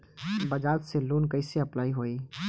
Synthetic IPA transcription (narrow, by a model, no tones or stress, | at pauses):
bɐd͡ʒaːt̪seluːnkɐɪseɐplaːiɦoːiː